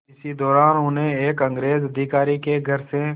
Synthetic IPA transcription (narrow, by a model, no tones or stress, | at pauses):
ɪsid̪ɔːɾaːnʊnɦẽeːkə̃ŋɡɾeːzəd̪ʱikaːɾikeɡʱəɾse